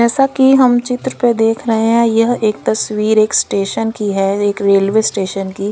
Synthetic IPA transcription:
ɛːsakiɦɐmt͡ʃɪt̪ɾəped̪eːkʰɾɐɦeɦɛ̃jɐɦeːk̚t̪ɐswiːɾeːksʈeːʃənkiɦɛeːkɾeːlʋeːsʈeːʃənki

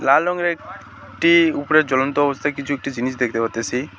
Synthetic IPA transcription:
lalɔŋɾeek | ʈiupɾed͡ʒɔlɔnt̪ɔːbɔst̪ʰakit͡ʃʰuek̚ʈid͡ʒinisd̪ekʰit̪epat̪esʰi

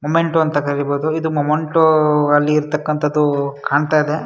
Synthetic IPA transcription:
momeɳʈuɐnt̪ɐkɐɾiboːd̪uid̪umomeɳʈuɐlːiːɾt̪ɐkːɐnt̪ʰɐd̪ːukaːɳt̪aːid̪e̞

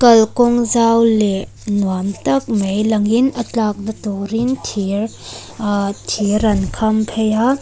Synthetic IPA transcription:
kɐlkɔŋzawle | nwantɐk̚mejlɐŋinɐt͡ɬak̚nɐtɔɾintʰiɾ | tʰiɾɐnkʰɐmpʰeja

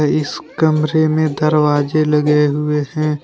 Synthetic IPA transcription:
ɪskɐmɾemẽd̪ɐɾʋaːd͡ʒelɐɡeɦʊehɛ̃ː

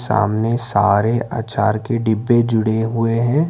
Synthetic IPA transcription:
sa̰ːmnesaːɾeʔa̰ːt͡ʃaːɾkeɖɪbːed͡ʒʊɽeɦʊeɦɛ̃ː

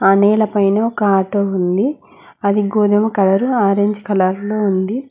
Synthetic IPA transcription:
ɐnɛːlɐpɐjnɐɔkɐaːʈoːund̪i | ɐd̪iɡoːd̪ɐmɐkɐlɐɾuaːɾeɲd͡ʒkɐlaɾloːund̪i

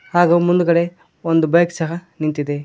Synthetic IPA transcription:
haːɡumund̪ukɐɽe | ond̪ubɐjksɐɦɐnint̪id̪e

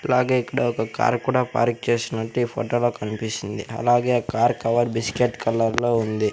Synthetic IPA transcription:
ɐlaːɡeːikːɐɽɐɔkɐka̰ːɾkuːɽaːpa̰ːɾk̚t͡ʃe̞ːsinɐʈːiiːpʰo̰ːʈoːloːkɐnipisind̪ḭɐ̰laːɡe̞ːkaːɾkɐʋɐɾbiskeʈkɐlːɐɾlo̞ːund̪i

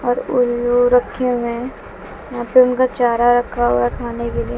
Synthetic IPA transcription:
ɔːɾʊloɾɐkʰːjõmẽ | jãːpɪɾʊnkat͡ʃaːɾaɾɐkʰaɦʊakʰaːnekelie

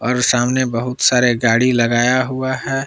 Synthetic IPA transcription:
ɔːɾsaːmnebəɦʊt̪saːɾeɡaːɽilɐɡaːjaɦuaɦɛː

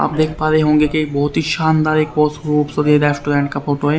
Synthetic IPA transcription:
a̰ːp̚d̪eːkʰpaːɾeɦõːŋ̆ɡekibɔɦʊt̪ɦiʃaːnd̪aːɾekpoːsɡɾuːpsod̪eːd̪asʈuɖɛ̃ːɳɖkafoːʈoɦɛ

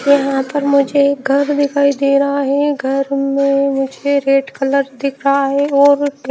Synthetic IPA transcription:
jɐɦãpɐɾmʊd͡ʒʱeɡʱɐɾd̪ɪkʰaːid̪eːɾɐaɦɛɡʱɐɾmẽmʊd͡ʒʱeɾeːʈkɐləɾd̪ɪkʰɾaɦɛɔːɾ

